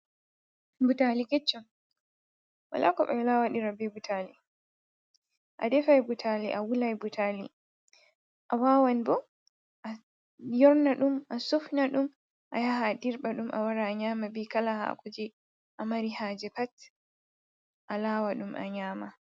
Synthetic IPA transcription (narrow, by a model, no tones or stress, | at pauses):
butalikɛt͡ʃːɔ | wa̰lakɔɓɛlawaɗiɾabɛbutʰali | ʔa̰dɛfajbutʰaliʔawulajbutʰalḭ | ʔawawanbɔ | ʔa | jɔɾnaɗumʔasofnaɗum | ʔajahadiɾɓaɗumʔa̰waɾaːɲaːmabikalahaa̰kʰod͡ʒi | ʔamaɾihaːd͡ʒɛpat | ʔalaːwaɗumʔa̰ɲaːma